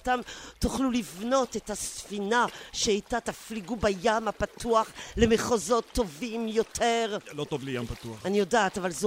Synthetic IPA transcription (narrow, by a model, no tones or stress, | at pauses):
tamt̪uχlulivno̞t̪et̪hasfinaʃeajt̪at̪afliɡubajamapat̪uaχlemeχozo̞t̪ːo̞vimjot̪ʰeʁlot̪ovlejampat̪uaχanijodaːt̪avalze